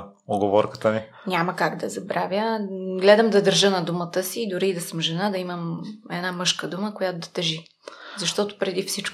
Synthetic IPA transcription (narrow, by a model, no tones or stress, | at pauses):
oɡovɔɾkə̥t̪əni | nʲaməkaɡd̪ɐzɐbɾavʲjəɡlɛd̪əmd̪ɐd̪əɾʒɤnɐd̪umət̪əsiːd̪ʊɾiːd̪ɐsəmʒɛnad̪ɐiməmɛd̪namɤʃkəd̪uməkojat̪ʊd̪ɐt̪ɛʒi | zɐʃt̪ɔt̪ʊ̥pɾɛd̪ifsit͡ʃk